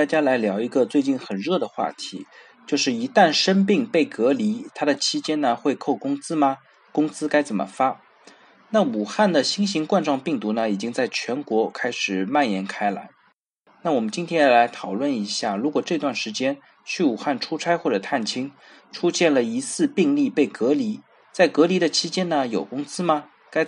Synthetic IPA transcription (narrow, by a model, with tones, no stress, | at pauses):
a˥˩t͡ɕja˥la˧˥ɪljɑ˧˥ʊi˧˥ɡə˧t͡swe˥˧ɪt͡ɕi˥˩nxə˨˩nɻɤ˥˩d̪ə˩xwa̰˥˩t̪ʰḭ˧˥ | t͡ɕjo˥˧ʊʂɻ̩˥˩i˧˥t̪a˥˩nʂə˥npi˥˩ŋpe˥˩ɪkɤ˧˥li˧˥t̪ʰa˥d̪ə˨t͡ɕʰi˥t͡ɕjɛ˥nə˨xwe˥˧ɪkʰo˥˩ʊkʊ˥ŋt͡sɹ̩˥mɐ˨ | kʊ˥ŋt͡sɹ̩˥ka˥ɪt͡sə˨˩nmə̰˦fa˥ | na˥˩u˨˩xa˥˩nd̪ə˩ɕi˥ŋɕi˧˥ŋkwa˥˧nʈ͡ʂwɑ˥˧ŋpi˥˩ŋt̪u˧˥nə˧i˨˩t͡ɕi˥ŋt͡sa˥˩ɪt͡ɕʰɥɛ˧˥nkwɔ˧˥kʰa˥ɪʂɻ̩˨˩ma˥˩njɛ˧˥nkʰa˥ɪla̰˧˥ɪ | na˥˩wɔ˨˩mə˦nt͡ɕi˥nt̪ʰjɛ˥n˥˩la˧˥ɪt̪ʰɑ˨˩ʊlwə˥˩ni˧˥ɕja˥˩ɻu˧˥kwɔ˨˩ʈ͡ʂɤ˥˧i˧t̪wa˥˩nʂɻ̩˧˥t͡ɕjɛ˥n | t͡ɕʰy˥˩u˨˩xa˥˩nʈ͡ʂʰu˥t͡sʰa˥ɪxwɔ˥˩ʈ͡ʂɤ˨˩t̪ʰa˥˩nt͡ɕʰi˥ŋ | ʈ͡ʂʰu˥ɕjɛ˥˩nlə˩i˧˥sɹ̩˥˧pi˥˧ŋli˥˧pe˥˩ɪkɤ˧˥li˧˥ | t͡sa˥˩ɪkɤ˧˥li˧˥d̪ə˧t͡ɕʰi˥t͡ɕjɛ˥nnə˨jo˨˩ʊkʊ˥ŋt͡sɹ̩˥mɐ˨ | ka˥ɪ